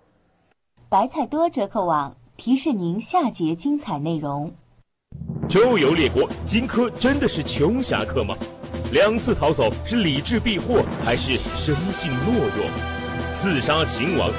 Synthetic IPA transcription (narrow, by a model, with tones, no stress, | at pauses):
pa˧˥ɪt͡sʰa˥˩ɪt̪wɔ˥ʈ͡ʂɤ˧˥kʰɤ˥˩wɑ˨˩˦ŋ | t̪ʰi˧˥ʂɻ̩˥˩ni˧˥ŋɕja˥˩t͡ɕjɛ˧˥t͡ɕi˥ŋt͡sʰa˨˩ɪne˥˩ɪɻʊ˧˥ŋ | t͡ɕjo˥ʊjo˧˥ʊljɛ˨˩kwɔ˧˥t͡ɕi˥nkʰɤ˥ʈ͡ʂə˥nd̪ə˨ʂɻ̩˥˩t͡ɕʰjʊ˧˥ŋɕja̰˧˥kʰɤ˥˩mɐ̰˩ljɑ˨˩ŋt͡sʰɹ̩˥˩t̪ʰɑ˧˥ʊt͡so˨˩ʊʂɻ̩˥˩li˨˩ʈ͡ʂɻ̩˥˧pi˥˧xwɔ˥˩xa˧˥ɪʂɻ̩˥˩ʂə˥nɕi˥˧ŋlwɔ˥˧ɻwɔ̰˥˨˩ŋ | t͡sʰɹ̩˥˩ʂa˥t͡ɕʰi˧˥ŋwɑ̰˧˥ŋ